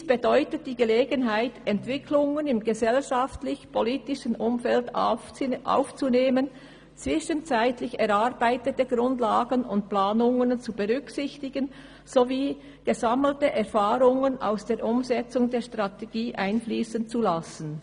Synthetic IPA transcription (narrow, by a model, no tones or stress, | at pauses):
sb̥edɔʏtət̚d̥iːɡəleːɡənɦaɪtɛntv̥ɪkʰlʊŋənɪmɡəzɛlʃaftlɪçpʰoliːtɪʃənʔʊmfɛlt | ʔa̰ʊft͡suneːmən | t͡sv̥ɪʃənt͡saɪtlɪçɛʁaʁbaɪtətəɡ̥ʁʊndlaːɡənʊnt̚plaːnʊŋənt͡subəʁʏksɪçtɪɡən | z̥oviː | ɡ̥əzaml̩təʔɛʁfaːʁʊŋəna̰ʊsd̥eːɐɾʔʊmzɛt͡sʊŋdeːɐʃtʁ̥ateɡ̥iːʔaɪnfliːsənt͡sulasn̩